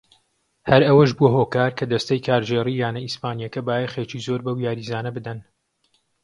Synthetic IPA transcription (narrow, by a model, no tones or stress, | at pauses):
hɐɾɐwɐʒbuɐɦoːkaːɾkʰɐd̪ɐst̪ɐjkʰaːɾd͡ʒeːriːjaːnɐispaːnijɐkɐbaːjeχeːt͡ʃizoːɾbɐwjaːɾizaːnɐbɨd̪ɐn